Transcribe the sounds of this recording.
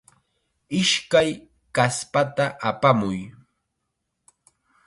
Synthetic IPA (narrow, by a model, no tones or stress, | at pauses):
ɪʃkaj | kaspat̪aʔapamʊj